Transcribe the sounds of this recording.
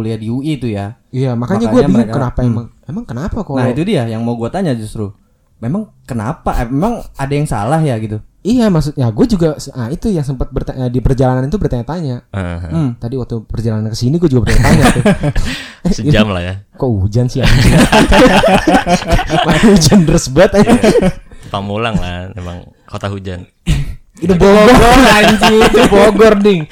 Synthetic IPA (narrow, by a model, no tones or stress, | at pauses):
uliadiuit̪uja | ijamakaɲaɡuabiaŋkənapaemaŋemaŋkənapakanait̪udiajaŋmauɡuat̪aɲad͡ʒust̪ɾu | memaŋ | kəna̰paʔmemaŋadajaŋsa̰lahjaɡit̪uijamas̬ʊknaɡuad͡ʒuɡasait̪ujaŋsəmpət̪̚bərt̪aədipərd͡ʒalananit̪ubərt̪aɲat̪aɲaəɦt̪adiwak̚t̪upərd͡ʒalanankəsiniɡuad͡ʒuɡabərt̪aɲat̪aɲaʊ | səd͡ʒamla̰hja̰koud͡ʒansia | maud͡ʒant̪ərsəbuat̪ | pamulaŋla̰mḛma̰ŋ | kot̪aɦud͡ʒan | it̪uboɡɔɡɔaɲd͡ʒit̪uboɡɔrdɪŋ